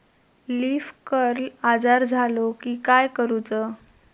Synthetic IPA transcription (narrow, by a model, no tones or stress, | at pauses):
liːfkəɾlad͡zaɾd͡zʱalokiːkajkəɾut͡sə